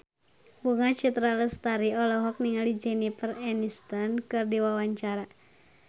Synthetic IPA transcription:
buŋat͡ʃit̪ɾaləst̪aɾiɔlɔɦɔk̚niŋalid͡ʒɛnipərɛnist̪ɔnkɨrdiwawaɲt͡ʃaɾa

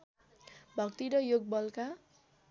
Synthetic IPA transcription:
bʱʌkt̪iɾʌjoɡ̚bʌlka

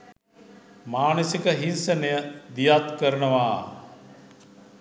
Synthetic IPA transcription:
maːnəsikəɦinsɐnɐjəd̪ijat̪kəɾnəʋaː

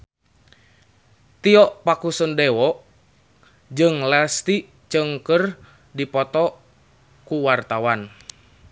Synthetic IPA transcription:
t̪iɔʔpakusəndɛwɔʔ | d͡ʒɨŋlast̪i | t͡ʃəŋkər | dipɔt̪ɔ | kuwart̪awan

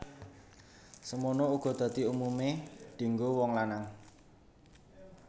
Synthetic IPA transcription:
səmonouɡ̥ɔ̤d̪̥ä̤t̪iumumeɖ̥i̤ŋɡowɔŋlanaŋ

